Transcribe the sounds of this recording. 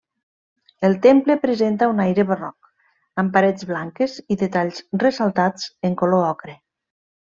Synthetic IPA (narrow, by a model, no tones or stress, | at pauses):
elˠt̪emplepɾezent̪aunajɾeβərɔk | əmpaɾed͡zβlaŋkeziðet̪aʎzresalˠt̪at͡seŋkoloɔkɾe